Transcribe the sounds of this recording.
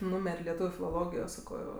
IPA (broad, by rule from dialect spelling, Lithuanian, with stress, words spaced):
ˈnuːmʲɛrʲ lʲɛˈtuːʋʲʊ fʲɪlˠoːˈlˠoːɡʲɪjoː ˈsɑːkoː